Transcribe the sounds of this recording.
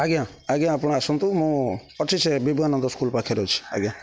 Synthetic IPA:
aɡjãaɡjãapɔɽ̃aasɔnt̪umũɔt͡ʃʰisebibanɔnd̪ɔskulpakʰeɾɔt͡ʃʰi̥a̰ɡjã

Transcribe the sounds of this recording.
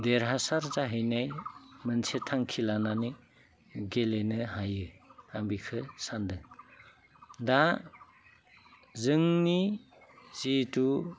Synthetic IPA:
deɾɦasaɾzaɦɯjnajmɯnsʰetʰaŋkʰilanani | ɡelenɯɦajɯambikʰɯsandɯŋ | da | zɯŋni | z̥itu

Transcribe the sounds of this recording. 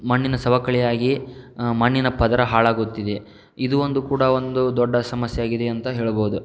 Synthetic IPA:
mɐɳːinɐsɐbɐkɐɭɛjaːɡimɐɳːinɐpɐd̪ɐɾɐɦaːɭaːɡut̪ːid̪e | id̪uond̪ukuːɽɐo̞nd̪ud̪ɔɖːɐsɐmɐsjeaːɡid̪eɐnt̪ɐɦe̞ːɭɐboud̪u

